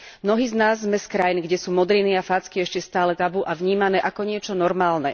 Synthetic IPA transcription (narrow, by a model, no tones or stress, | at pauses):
mnɔɦiːznaːzːmɛskɾajinɡɟɛsuːmɔd̪ɾiniafaːt͡skiɛʃcɛst̪aːlɛt̪abuʔaʋɲiːmanɛːʔakɔɲɪɛt͡ʃɔnɔɾmaːlnɛ